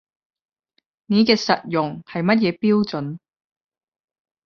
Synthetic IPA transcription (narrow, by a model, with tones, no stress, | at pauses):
ne˨˥kɛː˧sɐ˨t̚jʊ˨ŋhɐ˨jmɐ˥t̚jɛː˨˧piː˥wt͡sɵ˨˥n